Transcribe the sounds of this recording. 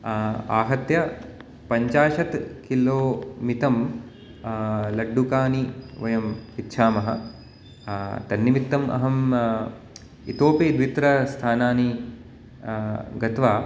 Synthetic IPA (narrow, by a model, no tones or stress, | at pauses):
aːɦɐt̪jɐ | pɐɲt͡ʃaːʃɐt̪kilːoːmit̪ɐm | lɐɖːukaːniʋɐjɐmpitːʃʰaːmɐɦɐ̰ | t̪ɐnːiʋit̪ːɐmɐ̰ɦɐm | ḭt̪oːpid̪ʋit̪ɾɐst̪ʰaːnaːni | ɡɐt̪ʋaː